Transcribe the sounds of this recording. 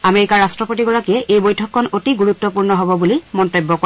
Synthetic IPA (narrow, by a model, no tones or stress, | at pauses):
ameɹikaɹːastɹɔpotiɡɔɹakijɛʔejbojtʰɔkʰːɔnotiɡuɹutːɔpuɹnɔɦɔbɔbulimɔntojbːɔkɔ